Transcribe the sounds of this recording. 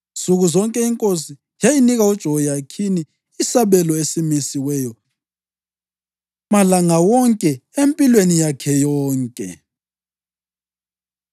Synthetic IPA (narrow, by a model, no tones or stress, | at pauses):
suɣuzɔŋkʼɛiŋkʼosi | jajiniɣaud̥ʒ̥ʱɔɣɔjakʰini | isaβɛlɔesimisiwɛːjɔ | malaŋawɔŋkʼɛempʼilwenijakʰɛjɔːŋkʼɛ̰